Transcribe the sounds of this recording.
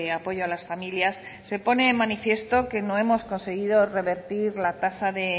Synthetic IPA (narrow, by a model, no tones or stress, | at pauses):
eapo̞ʝoalasfamiljasːe̞po̞ne̞ːmanifje̞st̪o̞ke̞no̞e̞mo̞sko̞nse̞ɣ̞iðo̞re̞βe̞ɾt̪iɾlat̪asaðe̞